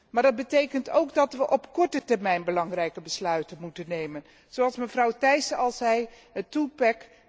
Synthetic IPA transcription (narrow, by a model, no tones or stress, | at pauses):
maːɹdɑd̚bətejkənto̰wɡdɑtʋəʔɔpkɔɹtətɛɹmɛjnbəlɑŋrɛjkəbəslœɥtənmutənejmən | z̥owɑlˠsməvrɑwtɛjsəɑlˠzɛj | ɦətupɛk